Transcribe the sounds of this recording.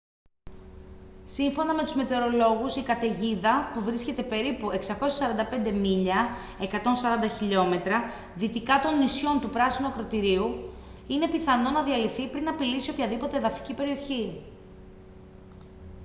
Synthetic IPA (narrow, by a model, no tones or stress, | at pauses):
siɱfo̞nɐme̞t̪uzme̞t̪e̞ɾo̞lo̞ɣusikɐt̪e̞ʝiðɐpuvɾisce̞t̪e̞pe̞ɾipue̞ksɐko̞sɐsɐɾɐnd̪ɐpe̞nd̪e̞miʎɐ | e̞kɐt̪o̞nsɐɾɐnd̪ɐçiʎo̞me̞t̪ɾɐ | ðit̪ikɐt̪o̞nːisço̞nt̪upɾɐsinuɐkɾo̞t̪iɾiu | ine̞piθɐno̞nɐðiɐliθipɾinɐpilisio̞pçɐðipo̞t̪eðɐfi̥cipe̞ɾio̞çi